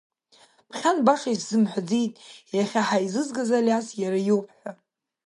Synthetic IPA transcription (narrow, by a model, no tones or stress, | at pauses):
pʰχʲanbaχʲasz̥ɨmħʷd͡zijtʼjaχʲaħajzɨzɡazalʲasjaɾajowpʰʼħʷᶣa